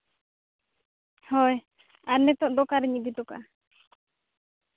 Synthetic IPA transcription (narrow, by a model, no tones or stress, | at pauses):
hɔj | aɾnɛt̪ɔʔd̪ɔkaɾɛɲid̪it̪ɔka̰